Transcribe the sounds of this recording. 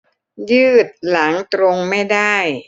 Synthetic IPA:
jɯː˥˩t̪̚la˩˦ŋt̪ɾo˧ŋma˥˩jda˥˩j

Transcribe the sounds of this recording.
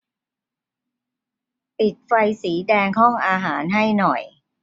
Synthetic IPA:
pi˨˩t̪̚fa˧jsiː˩˦dɛː˧ŋɦɔ˥˩ŋʔaː˧ɦaː˩˦nɦa˥˩jnɔ˨˩j

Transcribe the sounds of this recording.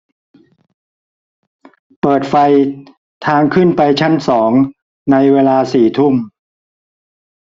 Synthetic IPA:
pɤː˨˩t̪̚fa˧j | t̪ʰaː˧ŋkʰɯ˥˩npa˧jt͡ɕʰa˦˥nsɔː˩˦ŋ | na˧jweː˧laː˧siː˨˩t̪ʰu˥˩m

